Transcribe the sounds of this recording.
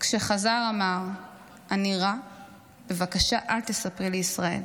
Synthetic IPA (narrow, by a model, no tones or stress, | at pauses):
kʃeχazaʁamaʁ | aniʁa | b̥e̞vakaʃaʔaltesapʁileisʁae̞̰l